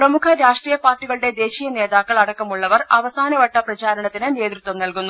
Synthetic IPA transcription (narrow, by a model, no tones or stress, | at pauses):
prɐmukʰɐɾaːʂʈriːjɐpaːrʈːiɣɐɭuɽe̞d̪e̞ːɕiːjɐne̞ːðaːkːɐɭɐɽɐkːɐmuɭːɐʋɐrɐʋɐsaːnɐʋɐʈːɐprɐt͡ɕaːɾɐɳɐt̪ːinɨne̞ːd̪rut̪ʋɐmnɐlkunːu